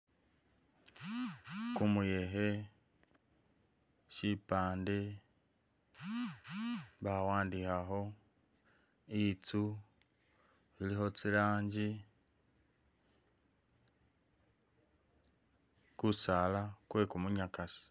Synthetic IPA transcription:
kumuje̞ɦe | ʃipaːnde | βawaːndihaɦo̞ | it͡su | βiliɦo̞t͡silaːɲɟi | kusalakwe̞kumuɲakasi̥

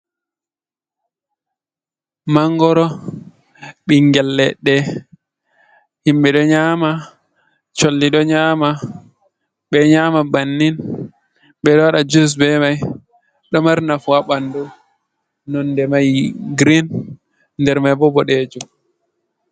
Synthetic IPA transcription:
maŋɡɔɾɔ | ɓiŋɡɛlːɛɗːɛ | himɓɛɗɔɲaːma | t͡ʃolːiɗɔɲaːma | ɓɛɲaːmabanːin | ɓɛɗɔwaɗad͡ʒus̬bɛmaj | ɗɔmaɾnafuaɓandu | nɔndɛmajɡɾin | ndɛɾmajbɔbɔɗed͡ʒu

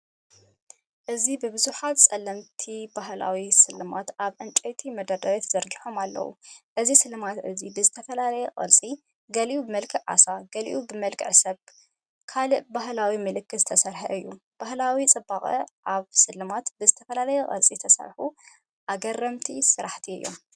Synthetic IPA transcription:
ʔɨzibɨbɨzuħat̪t͡sʼɐlːɐmt̪ʰibaɦla̰wisɨlːɨmat̪aβʕɨnt͡ʃʼejt̪ʰimɐd̪ɐd̪ɐɾet̪z̥ɐɾɡiħo̞malːɐ̰wṵʔɨzisɨlɨmat̪ʔɨzibɨzɨt̪ʰɐfɐlalɐjɛkʼɐ̰lt͡sʼi | ɡɐliʔubɨmɐlkʰɨʕa̰saɡɐlḭʔubɨmɐlkʰʼɨʕsɐβ | kʰalɨʔbahlawimɨlɨkːɨɨt̪ʰɐsɐɾħɐʔɨjːub̥ahlawit͡sʼɨbːaχʼɐ̰ʔaβsɨlːɨmat̪bɨzɨt̪ʰɐfɐlalɐjɛkʼɐ̰lt͡sʼit̪ʰɐsɐ̰ɾħu | ʔaɡɐrːɐmt̪ʰisɨɾaħt̪ʰiɨ̰jːo̞̰m

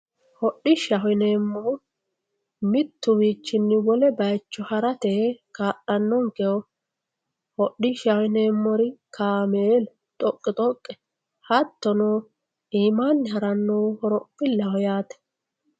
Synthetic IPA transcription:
hɔɗːɪʃɐɦɔneːmːɔ | mɪt̪ːʊbiːt͡ʃːɪnːɪwɔlɛbɐjt͡ʃːɔhɐɾɐt̪ekaːɗːɐnːɔŋkɛɔ | hɔɗɪʃɐwɪne̞ːmːɔɾɪkʰaːmeːl | t̪ʼɔkʼːɪt̪ʼɔkʼːɛ̥ | hɐt̪ːɔnoː | iːmaːnːɪɦɐɾɐnːoːhɔɾɔpʼːɪlːɐhɔjaːt̪ɛ̥

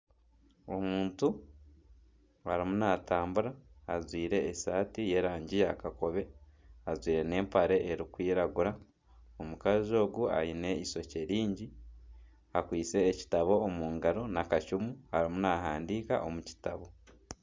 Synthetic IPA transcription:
o̞muːntu | aɾimunataːmbuɾaːzwiːɾe̞ːsaːtije̞ɾaːɲɟijakako̞βe̞azwiːɾe̞ne̞ːmpaɾe̞ʔeɾikwiːɾaɡuɾa | omukazio̞ːɡua̰jine̞iso̞ce̞ɾiːɲɟi | akwiːt͡se̞ːci̥taβo̞ːmuːŋɡaɾo̞nakacumuhaɾimunaɦaːndiːka̰ʔomuci̥taβo̞

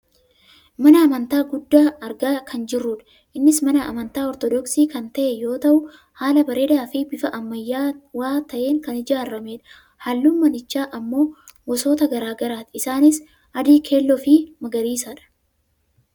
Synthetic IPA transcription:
mɐnɐːmɐnt̪aːɡʊd̪ːaːɐɾɡaːkʰɐnd͡ʒɪrːuᶑɐ̥ | ʔɪnːɪsmɐnɐɐ̰mɐnt̪aːɔɾt̪ɔd̪ɔksiːkɐnt̪ɐʔejo̞ːt̪ɐʔʊ | haːlɐbɐɾeːd̪aːfɪbɪfɐʔɐmːɐjːaːwaːt̪ɐʔe̞ːŋkɐnɪd͡ʒaːrːɐmeᶑɐ̥ | hɐlːuːmːɐnɪt͡ʃːaːʔɐmːo̞ː | wɔso̞ːt̪ɐɡɐɾaːɡɐɾaːt̪ɪɪsaːnɪs | ɐd̪iːkʰe̞ːlːɔfimɐɡɐɾiːsɐᶑɐ̥

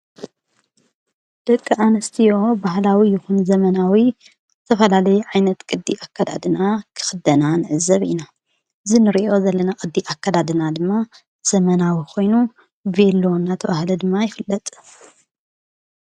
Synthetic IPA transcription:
d̪̥ɐkʼːɨʔanɨst̪ʰijo̞bahlawijɪxunzɐmɐnawi | zɨt̪ʰɐfɐlalɐjuʕajnɐt̪kʼɨd̪ːiʔakʰːad̪a̰d̪ɨnakʰɨ̥xɨd̪ɐnanɨʕɨzɐβḭna | ʔɨzinɨɾiʔo̞zɐlːɐnakʼɨd̪ːiʔakʰːad̪ad̪ɨnad̪ɨmːa | z̥ɐmɐnawikʰo̞jnu | velonːat̪ʰɐβahlid̪ɨmːajɪfɨlːɐt̪ʼ

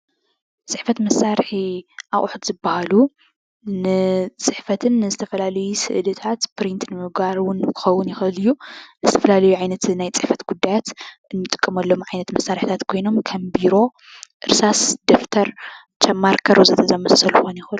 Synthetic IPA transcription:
t͡sʼɨħfɐt̪mɐsːaɾħiʔaʔʼʊħut̪zɨbahalu | nɨt͡sʼɨħfɐt̪ʰɨnːɨzɨt̪ʰɐfɐlalɐjusɨʔɨd̪ɐt̪ʰat̪pɾint̪nɨmɨɡbaɾwʊnkʰɨ̥xɐwːʊnjɪxɨlɨjːunɨzɨt̪ʰɐfɐlalɐjuʕajnɐt̪najt͡sʼɨħfɐt̪ɡ̥ud̪ːajat̪ʔɨnːɨt̪ʼɨ̥kʼːɨmɐlːo̞mʕajnɐt̪mɐsːaɾħi̥t̪ʰat̪kʰo̞jno̞mkʰɐmbiɾo̞ | ʔɨɾsasd̪oft̪ʰɐɾ | t͡ʃʰɐmːaɾkʰɐɾozɨt̪ʰɐzɐmɐsɐlxonjɪxɨl

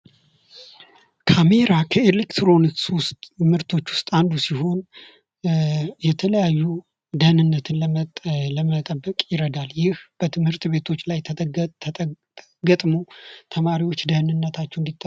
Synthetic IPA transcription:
kʰame̞ɾakʰəelekt̪ɾo̞niksʊst̪ʼmɨɾt̪ʰo̞t͡ʃːwʊst̪ʼand̪usiɦo̞n | jɛt̪ʰələjajːu | d̪əhnɨnːət̪ʰɨnləmələmət̪ʼəbːəkʼjɪɾəd̪aljɪhb̥ət̪ʰɨmhɨɾt̪be̞t̪ʰo̞t͡ʃːlaj̪ʰ | ɡət̪ʼmo̞t̪ʰəmaɾiwo̞t͡ʃːd̪əhnɨnːət̪ʰat͡ʃːɛwnd̪it̪ʼː

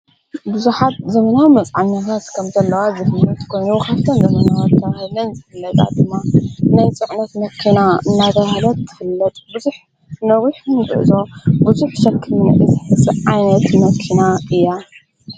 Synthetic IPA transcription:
bɨzuħat̪̚zɐmɐnawmɐt͡sʼʕaɲːat̪ʰat̪kʰɐmzɐlːɐwazɨfɨlːɐt̪kʰo̞jnukʰaβt̪ʰɐnzɐmɐnawat̪ʰːɐβhɨlɐnzɨfɨlːɐt̪ʼa̰d̪ɨmːanajt͡sʼɨʕnɐt̪mɐkʰːinaɨnːat̪ʰɐβhlɐt̪ʰːɨ̥fɨlːɐt̪ʼbɨzuħ | nɐwiħmɨɡɨʔzobɨzuħʃɐkʰːɨnuʔɨzɨħɨsɨʕajnɐt̪mɐkʰinaɨjːa

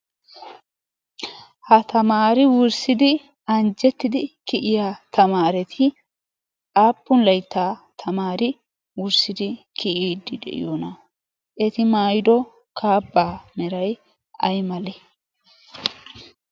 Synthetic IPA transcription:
hɐt̪ɐmaːɾɪwʊɾsɪd̪ɪ | ɐnd͡ʒɛt̪ːɪd̪ɪkɪʔɪjaːt̪ɐmaːɾɛt̪ʰɪ | aːpːʊnlɐjt̪ːaːt̪ʰɐmaːɾɪ | wʊɾsɪd̪ɪkʰɪʔiːd̪ːɪd̪ɛ̰ʔɪ̰joːnɐ | ʔɛt̪ɪmaːjɪd̪ɔ | kʰaːbːaːmɛɾɐj | ɐ̰jmɐlɛ

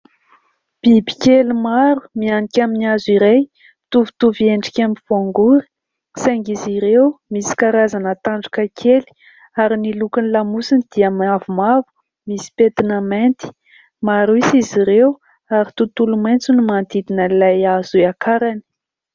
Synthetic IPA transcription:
b̥ibi̥kʲelumaɾu̥mianikʲaminiaziɾej | t̪uvu̥t̪uvieɳɖ͡ʐi̥kʲamiv̥aŋɡuɾi̥ | saŋɡiziɾewmisi̥kaɾazanət̪aɳɖ͡ʐukakʰeli̥ | aɾinilukinilamusinid̪̥iamavumavu̥ | misi̥pet̪inament̪i̥ | maɾuisiziɾew | aɾit̪ut̪ulumajnt͡sunimand̪id̪inəilajazuakʰaɾani̥

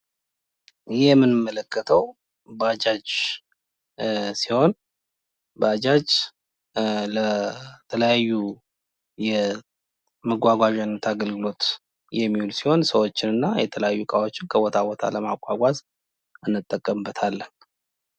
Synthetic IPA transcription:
jjɛmːɨnɨmːələkʰːət̪ʰəw | bəad͡ʒad͡ʒ | siho̞n | bəad͡ʒad͡ʒ | lət̪ʰələjajːu | jɛ | məɡʷaɡʷaʒanːət̪ʰaɡəlɡɨlo̞t̪ | jɛmːihulsiho̞nsəwot͡ʃːɪnɨnːajɛt̪ʰələjajːukʼawo̞t͡ʃːɪnkʰəwot̪ʰawot̪ʰa̰ləmakʼːaɡʷaz | ɨnːɨt̪ʼːəkʼːəmbːət̪ʰalːən

